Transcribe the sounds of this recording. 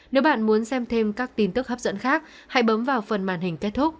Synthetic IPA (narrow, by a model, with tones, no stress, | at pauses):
ne˨˦wɓa̰ː˧˨nmu˨˦ənsɛ˧mt̪ʰe˧mkaː˦˥k̚t̪i˧˩nt̪ɨ˦˥k̚ha˦˥p̚zə̰˧˥nxaː˦˥k̚ | ha̰˧˥jɓə˨˦mvaː˨˩wfə˨˩nmaː˧˩nhï˨˩ŋ̟ke˦˥t̚t̪ʰu˦˥